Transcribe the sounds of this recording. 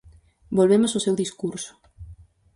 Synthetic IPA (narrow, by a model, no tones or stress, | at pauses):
bolβemososewðiskuɾsʊ̥